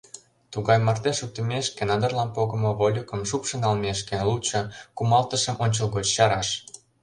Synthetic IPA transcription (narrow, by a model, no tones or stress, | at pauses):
t̪uɣɑjmɑrt̪eʃuk̚t̪əmʲeʃkenɑd̪ə̆rlɑnpoɣə̆mŏβolʲukə̆mʃupʃə̆nɑlmeʃkelut͡ɕɤ̆kumɑlt̪ə̆ʃə̆mʔonʲt͡ɕəlˠɣot͡ɕɕɑɾɑʃ